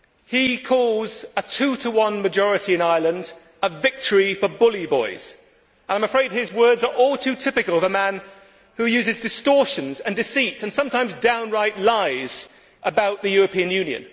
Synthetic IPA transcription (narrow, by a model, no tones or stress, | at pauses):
hikʰɔlˠzətʰʉːɾʰəwʌ̃nmɨd͡ʒɔɹɨɾiɨ̃naɪlˠə̃nd | əvɪk̚tʰəɹifəbʊlˠibɔɪz̥ | ənãɪməfɹeɪd̚ɪzwɜ˞dzə˞ʔɔlˠtʰʉtʰɪpɨkəlˠʌvəmæ̃n | hʉjʉzɨzdɨstɔɹʃɨ̃nzɨ̃ndɨsitsɨ̃nsʌ̃mtʰãɪ̃mzdãʊ̃nɹaɪʔlaɪz̥ | ʔəbaʊʔ̪̚ðɨjʊɹəpʰĩɨ̃njʉ̃njɨ̰̃n